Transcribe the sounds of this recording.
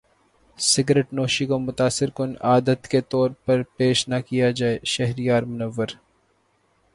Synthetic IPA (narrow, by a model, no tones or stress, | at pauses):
sɪɡɾeʈnoːʃikomʊt̪aːsːɪɾkʊnaːd̪ət̪ket̪ɔːɾpɐɾpeːʃnakijad͡ʒaːeʃɛɦɾijaːɾmʊnɐʋːəɾ